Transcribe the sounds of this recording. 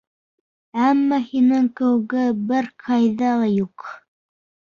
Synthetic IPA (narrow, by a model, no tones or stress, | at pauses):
æmːæhinɘŋkɘ̆wɘ̆ɡɘbɘɾqʰɑjðɑlˠɑjuq